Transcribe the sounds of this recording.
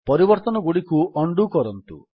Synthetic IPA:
pɔɾibɔɾt̪ɔnɔɡuɽikuʔɔɳɖukɔɾɔnt̪ṵ

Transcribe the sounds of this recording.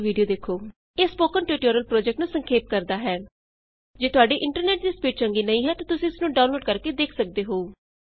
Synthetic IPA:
ʋiːɖijoːd̪eːkʰːoː | eːspoːkənʈiʈoːɾəlpɾoːd͡ʒɛːk̚ʈnũːsəŋkʰeːp̚kəɾd̪aːɦɛː | d͡ʒeːt̪ʊaːɖiːʔɪ̃ɳʈəɾneːʈ̚d̪iːspiːʈ̚t͡ʃəŋɡiːnəĩːɦɛːt̪ãːt̪ʊsĩːɪsnũːɖaːnloːɖkəɾkeːd̪eːkʰsək̚d̪eːɦoːuː

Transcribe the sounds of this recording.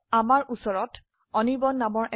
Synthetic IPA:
amaɹʔusɔɹɔt | ɔnibɔnːamɔɹʔɛ

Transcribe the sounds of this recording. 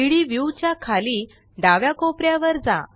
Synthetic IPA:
iɭiʋjuwt͡ɕjakʰali | ɖaʋjakopɾjaʋəɾd͡za̰

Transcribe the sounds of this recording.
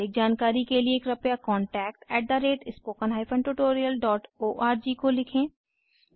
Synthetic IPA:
ɪk̚d͡ʒaːnkaːɾikelieːkɾɐpjakɔːɳʈɛːk̚ʈɛːʈ̚d̪aɾeːʈɪspoːkənɦaːɪpʰə̃ɳʈuʈoːɾijəlɖɔːʈoːʔaːɾd͡ʒikolɪkʰẽː

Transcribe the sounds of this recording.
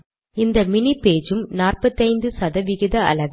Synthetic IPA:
ɪnd̪ɐmɪnipeːd͡ʒɯmnaːrpɐt̪ːɐɪnd̪ɯsɐðɐʋɪɣɪðɐɐ̰lɐʋ

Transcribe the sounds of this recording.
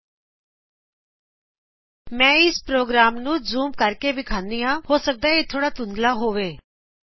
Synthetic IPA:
mɛ̃ːɪspɾoːɡɾaːmnũːzuːmkəɾkeːbɪkʰãːnd̪iːjãːɦoːsək̚d̪aːeːt̪ʰoːɽaːt̪ʊnd̪laːɦoːʋeː

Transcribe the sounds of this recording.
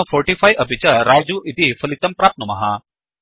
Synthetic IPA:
fɔɾʈifajʔəbʱit͡ɕaɾad͡ʑuʔit̪ifəlit̪ɐmpɾap̪̚nəmɐɦa

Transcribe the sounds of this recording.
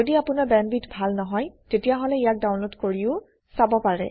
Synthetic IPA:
odiapʊnabɛmbitbʱalnɔɦɔjtetijaɦoɔlɛijak̚daw̃nlotkoɹiʊ | sabɔpaɹɛ̰

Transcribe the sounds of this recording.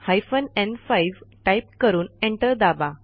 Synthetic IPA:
hajfənɛ̃nfajiʋʈajp̚kəɾuːnẽɳʈəɾd̪aba

